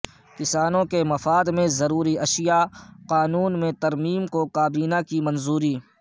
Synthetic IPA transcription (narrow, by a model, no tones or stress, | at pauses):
kɪsaːnõkemɐfaːd̪mẽzɐɾuːɾiɐʃɪjaqaːnuːnmẽt̪ɐɾmiːmkokaːbiːnakimɐ̃nzuːɾiː